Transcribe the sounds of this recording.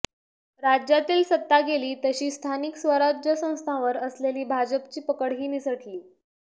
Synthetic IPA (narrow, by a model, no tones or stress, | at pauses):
ɾad͡ʑjat̪iːlsət̪ːaɡeliːt̪əɕiːst̪ʰaniksʋəɾad͡ʑʱjəsə̃w̃st̪ʰãʋəɾəsleliːbʱad͡ʑəpt͡ɕiːpəkəɽɦiːnisəʈʰliː